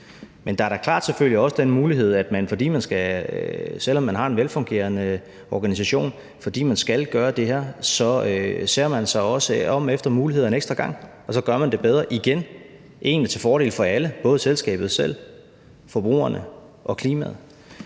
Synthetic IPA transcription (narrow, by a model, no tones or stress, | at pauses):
mend̥ɑ̈æɐɾækʰl̥ɑ̰̈ːd̥seføl̰jiɒ̽səd̥enmuːliɦe̝ð̞̰ˠæd̥mænfɒ̽d̥ḭːmænsɡ̥æ | sel̰ɒ̽mːænɦɑ̈e̝nʋelfɔ̽ŋɡ̥e̝̰ːɐnə | ɒːɡ̥ænis̬æɕo̝̰ːn | fɒ̽d̥ḭːmænsɡ̥ælɡ̥ɶːɐd̥e̝ɦæɐ̰sɒ̽øseɐmænsɑ̈ɪɒ̽səɒ̽m̰efd̥ɐmuːliheðˠeneɡ̥sd̥ʁɐɡ̥ɑ̈ŋ̰ | ɒ̽sɒ̽ɡ̥ɶɐmænd̥e̝b̥eð̞ˠʁɐʔiɡ̥en | ʔe̝̰ːn̥t͡sʰe̝lfɒːɾ̥e̝ːlfɒ̽æləb̥ɔ̽ːð̞ˠəselsɡ̥ɛ̰ːb̥ð̩ˠsel̰ | fɒ̽b̥ʁṵːɐnə | ʔɒ̽kʰliːmæð̩ˠ